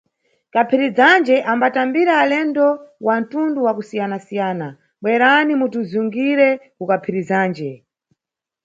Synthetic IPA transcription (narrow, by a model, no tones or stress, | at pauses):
kapʰiɾid͡zand͡ʒɛʔambatambiɾaːlɛndɔwan̩tunduwakusijanasijaːna | ɓwɛɾanimutuzuŋɡiɾɛkukapʰiɾizaːnd͡ʒɛ